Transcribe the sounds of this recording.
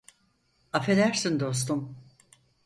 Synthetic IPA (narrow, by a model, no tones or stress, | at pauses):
afe̞d̪æɾsind̪o̞st̪um